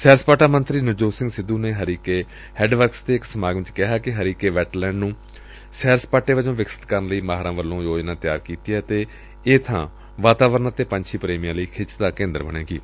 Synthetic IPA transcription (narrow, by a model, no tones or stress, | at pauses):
sɛːɾspaːʈaːmənt̪ɾiːnɪd͡ʒoːsɪ̃ŋɡsɪd̪ːuːneːɦəɾiːkeː | hɛːɖʋəɾkst̪eːɪksəmaːɡʋɪt͡ʃkɪɦaːkɪɦəɾiːkeːʋɛːʈlɛ̃ːɳɖnũː | sɛːɾspaːʈeːʋəd͡ʒõːʋɪksɪ̥t̪kəɾnləiːmaːɦɾãːʋəlːõːjoːd͡ʒnãːt̪ɪjaːɾkiːt̪iːɛt̪eː | eːt̪ʰã̰ː | ʋaːt̪aːʋəɾnaːt̪eːpə̃ɲt͡ʃʰiːpɾeːmijãːləiːkʰɪt͡ʃd̪aːkẽːnd̪əɾbəɳ̃ẽːkiː